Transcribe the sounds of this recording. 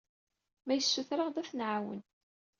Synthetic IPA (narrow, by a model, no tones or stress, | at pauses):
mæjəsːuθɾəʁðæfnʕawə̰n